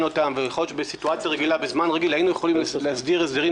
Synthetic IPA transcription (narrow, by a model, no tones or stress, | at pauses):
no̞t̪amveleχodʃbesituat͡sjaʁeɡilabezmanʁeɡilainujeχolimlehasd̪iʁesd̪eʁi